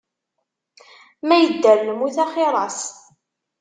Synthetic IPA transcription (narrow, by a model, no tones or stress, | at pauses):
mæjəd̪ːælːəmuθæχɪɾˤɑs